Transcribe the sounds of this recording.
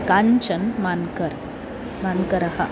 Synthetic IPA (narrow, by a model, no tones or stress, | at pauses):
kɐɲt͡ʃɐnmɐnkɐɾ | mɐnkɐɾɐhɐ